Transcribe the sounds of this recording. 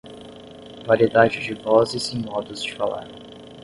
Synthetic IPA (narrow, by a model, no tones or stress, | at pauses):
vaɾied̪ad͡ʒɪd͡ʒɪvɔzɪzẽj̃mɔd̪ʊzd͡ʒɪfala̰ɾ